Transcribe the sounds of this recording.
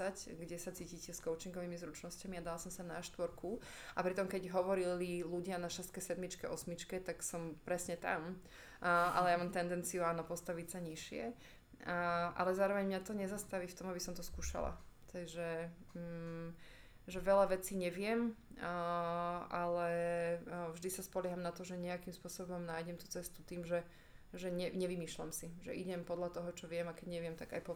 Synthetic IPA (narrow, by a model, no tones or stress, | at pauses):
acɡɟɛsat͡siːcicɛskɔʊt͡ʃiŋɡɔʋiːmizɾut͡ʃnɔscamiad̪alasɔmsanaʃt̪ʋɔɾku | apɾit̪ɔmkɛɟɦɔʋɔɾililuɟɪanaʃɛst̪̚kɛjsɛd̪mit͡ʃkɛʔɔsmit͡ʃkɛt̪aksɔmpɾɛsɲɛt̪a̰m | ʔa̰lɛjamamt̪ɛnd̪ɛnt͡sijuaːnɔpɔst̪aʋicsaɲiʃɪɛ | ʔa̰lɛzaːɾɔʋɛɲmɲat̪ɔɲɛzast̪aʋiːft̪ɔmabisɔmt̪ɔskuːʃa̰la̰t̪ɛʒɛ | ʒɛʋɛʎaʋɛt͡siːɲɛʋɪɛm | ʔalɛ | vʒd̪isaspɔlɪɛɦamnat̪ɔʒɛɲɛakimspʊɔsɔbɔmnaːjɟɛmt̪u̥t͡sɛst̪ut̪iːmʒɛ | ʒɛɲɛɲɛʋimiːʃlamsiʒɛ̰ʔiɟɛmpɔd̪ʎat̪ɔɦɔt͡ʃɔʋɪɛmakɛɟɲɛʋɪɛmt̪aɡa̰jpɔ